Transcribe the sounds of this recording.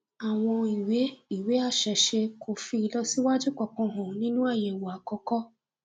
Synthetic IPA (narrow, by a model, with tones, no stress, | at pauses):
a˨w̃ɔ̃˧i˨we˨˦i˦˨we˨˦a˦˨ʃɛ˨ʃe˧kʰo˨fi˧i˧lɔ˧si˦wa˦d͡ʒu˦kɔ˨˧kɔ̃˧ɦɔ̃˨nĩ˦nũ˦a˦˨je˨wo˨a˨kɔ˧kɔ˦